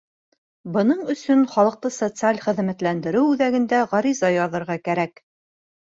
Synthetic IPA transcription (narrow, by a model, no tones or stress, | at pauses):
bɤ̆nɤɴɵ̆sɵnχɒlˠɤ̆q̚t̪ɤsot̪sɨalʲχɘ̆ðmæt̪lænd̪ɘ̆ɾɘwʉðæɡɘ̆nd̪æʁɑɾizɑjɑðɤ̆ɾʁɑkæɾæk